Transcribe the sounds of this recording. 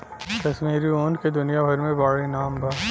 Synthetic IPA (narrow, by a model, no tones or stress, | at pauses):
kɐʃmiːɾioːnked̪ʊnijabʱɐɾmẽbaːɭinaːmbaː